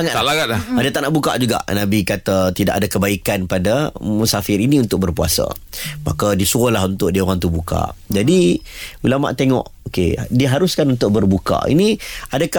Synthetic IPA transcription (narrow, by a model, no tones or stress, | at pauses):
aŋaaaɡat̪laadət̪aʔnaʔbuka̰ʔd͡ʒuɡa̰ʔnãbikat̪at̪ida̰ʔadakəbaikanpadamusafɪɾinĩunt̪ʊk̚bərpua̰sa̰ | ma̰kadisuolaɦunt̪ʊʔ̚dioɣaŋt̪ubuka̰d͡ʒadiulama̰ʔt̪eŋɔ̰̃ʔokḛdiəɦaɾʊskanunt̪ʊʔ̚bərbuka̰ḭniadaka